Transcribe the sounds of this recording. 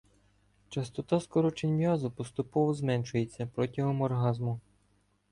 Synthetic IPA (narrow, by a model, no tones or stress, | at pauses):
t͡ʃɐst̪ɔt̪ɑskɔɾɔt͡ʃenʲʋʲjɑzʊpɔst̪ʊpɔʋɔzmɛnʃʊje̞t͡sʲːɐpɾɔtʲiɦɔmɔrɦɑzmʊ